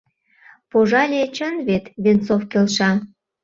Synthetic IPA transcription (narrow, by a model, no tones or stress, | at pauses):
poʒɑlʲet͡ɕənβet̪βent͡sofkelʃɑ